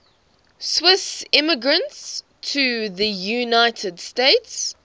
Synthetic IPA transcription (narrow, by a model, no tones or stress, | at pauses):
swɪsɪməɡɹə̃nts | tʰəðəjunaɪtʰədsteɪts